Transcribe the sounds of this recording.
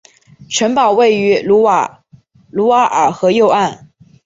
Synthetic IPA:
ʈ͡ʂʰwə˧˥npɑ˨˩ʊwe˥˩ɪy˧˥lu˧˥˧ | lu˧˥wa˧˥ʔə˞˨˩xɤ˧˥jo˥˧ʊa˥˩n

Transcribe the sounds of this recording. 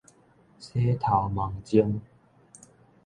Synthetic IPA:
sʰe˦t̪ʰa˨˩wma˨˩ŋt͡ɕi˦əŋ

